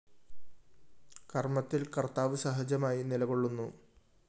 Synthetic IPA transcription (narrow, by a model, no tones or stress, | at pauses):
kɐrmɐt̪ːilkɐrt̪aːʋɨsɐɦɐd͡ʑjɐmaːjinilɐɣo̞ɭːunːu